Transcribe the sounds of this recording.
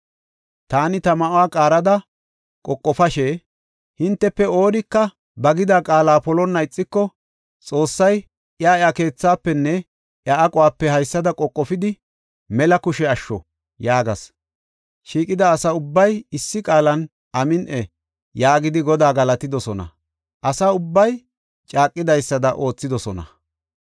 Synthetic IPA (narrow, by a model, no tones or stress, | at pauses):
t̪aːnɪt̪ɐmɐʔʊwaːkʼaːɾɐd̪ɐ | kʼɔkʼːɔfɐʃeː | hɪnt̪ːɛpːɛo̞ːɾɪkːɐ | bɐɡɪd̪akʼaːlaːpɔlɔnːɐɪt͡sʼːɪkːɔ | t͡sʼo̞ːsːɐj | ʔɪaːɪake̞ːt͡sːaːpːɛnːɛ | ʔjaʔɐkʼɔwaːpːɛhɐjsːɐd̪ɐkʼɔkʼːɔfɪd̪ɪ | mɛlɐkʊʃɛɐʃːɔ̰ | jaːɡɐs | ʃiːkʼɪd̪ɐːsɐʊbːɐjɪsːɪkʼaːlɐn | ʔɐmɪnʔɛ | jaːɡɪd̪ɪɡɔd̪aːɡɐlɐt̪ɪd̪ɔsɔnɐ̰ | ʔɐsɐʊbːɐj | t͡ʃʼaːkʼːɪd̪ɐjsːɐd̪ɐʔo̞ːt͡sːɪd̪ɔsɔnɐ̰